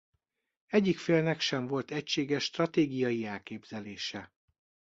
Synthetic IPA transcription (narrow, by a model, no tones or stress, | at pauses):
ɛɟːikfeːlnɛkʃɛɱvo̞lt̪ɛcʃeːɡɛʃːt̪rɒt̪eːɡijɒjiɛlkeːbz̥ɛleːʃɛ